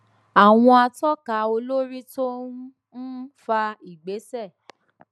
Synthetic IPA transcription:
a˨w̃ɔ̃˧a˧tɔ˦ka˨˦o˧lo˦ɾi˦to˦ | n̩˦fa˧i˨ɡ͡be˨˦sɛ˦˨

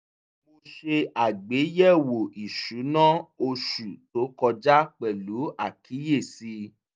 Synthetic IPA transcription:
mo˧ʃe˧a˨ɡ͡be˨˦jɛ˦˨wo˨i˨ʃu˨˦nã˦o˧ʃu˨to˨˦kɔ˧d͡ʒa˦k͡pɛ˨lu˨˦a˦˨kʰi˨˦je˦˨si˧˦

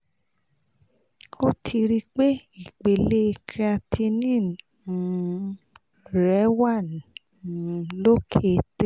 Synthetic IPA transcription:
o˦tʰi˧ɾi˦k͡pe˦i˦˨k͡pe˨le˦˧kʰɾi˦a˧tʰi˧nĩ˦˨ | ɾɛ˨˦wa˦˨n˨ | lo˦kʰe˧te˦

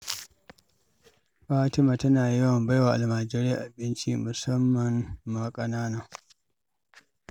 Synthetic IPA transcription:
ɸaː˦tɪ˦maː˨tɐ˦naː˨ji˦wɐ˨mba˦jwaː˨ʔa̰˨lmaː˨d͡ʒɪ˦ɾe˦a˦˨ʔa˨bɪ˦nt͡ʃḭ˦mʊ˨sɐ˦mːɐ˨nːa˨kʼɐ˨naː˦na˦

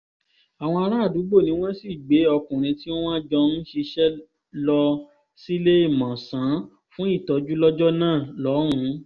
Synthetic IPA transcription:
a˨w̃ɔ̃˧a˧ɾ̃ã˦a˦˨du˨˦ɡ͡bo˦˨nĩ˧˦w̃ɔ̃˦si˦˨ɡ͡be˨˦ɔ˧kũ˨ɾ̃ĩ˧ti˦o˦wã˦d͡ʒɔ˧n̩˦ʃe˧ʃɛ˦ | lɔ˧ | si˦le˦i˦˨mã˨sã˨˦ | fũ˦i˦˨tɔ˨˧˦d͡ʒu˦lɔ˦d͡ʒɔ˦nãː˦˨lɔ˨˦ɾ̃ũ˨˦

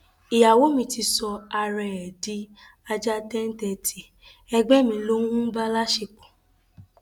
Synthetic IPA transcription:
i˨ja˨wo˨˦mĩ˧ti˧sɔ˧a˧ɾɛ˧ɛ˨di˨˦ | a˧d͡ʒa˦dɛ˦n̩˦tɛ˧tʰi˨ | ɛ˧ɡ͡bɛ˦mĩ˧˦lo˦ũ˦ba˦la˦ʃe˧˨k͡pɔ̥˨

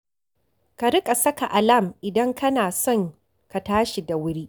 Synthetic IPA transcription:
ka˨ɽɪ˦kʼa˨sɐ˦ka˨ʔa˨lɐ˦˨mʔɪ˨dɐ˦ŋkʰɐ˦naː˨sɔ˦˨ŋ | ka˨taː˦ʃi˨da˨wʊ˦ɽiː˦ʔ

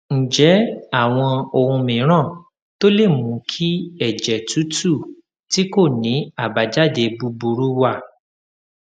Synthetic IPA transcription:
n̩˨d͡ʒɛ˨˦a˦˨w̃ɔ̃˧o˧hũ˧mĩ˨˦ɾ̃ã˦˨ | to˦le˦˨mũ˨˦kʰi˦ɛ˦˨d͡ʒɛ˨tu˨˦tu˦˨ | ti˦ko˦˨nĩ˨˦a˦˨ba˨d͡ʒa˦de˧bu˧˦bu˧ɾu˦wa˦˨

